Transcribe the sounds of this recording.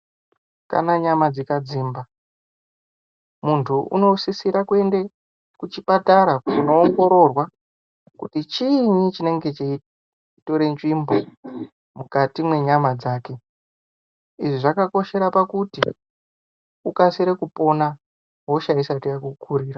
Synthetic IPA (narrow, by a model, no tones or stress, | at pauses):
ka̰naɲamad͡zikad͡ziːmba | muntʰuʔṵno̞sisiɾakue̞nde | kut͡ʃipataɾakuno̞ːŋɡo̞ɾo̞rwa | kṵtit͡ʃiɲit͡ʃine̞ŋɡe̞t͡ʃe | to̞ɾe̞nʐimbo̞ | mukatimwe̞ɲamad͡zaːke̞ | iʐiʐakako̞ʃe̞ɾapakuti | ukasiɾekupo̞na | ɦo̞ʃaisatijakukʰuɾiːra